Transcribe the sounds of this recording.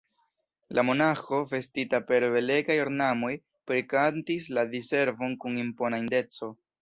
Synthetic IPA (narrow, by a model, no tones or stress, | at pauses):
lamo̞naxo̞ve̞stitape̞ɾbe̞le̞ɡajo̞ɾnamo̞j | pɾikantisladise̞ɾvo̞nkunimpo̞nainde̞t͡so̞